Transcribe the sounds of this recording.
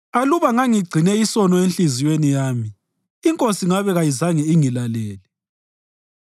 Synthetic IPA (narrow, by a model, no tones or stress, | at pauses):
aluβaŋaŋiɡ͡ǀʱinɛisɔnɔenɬizijwenijaːmiː | ŋkʼosiŋaβɛɣajizaŋiiŋilalɛːlɛ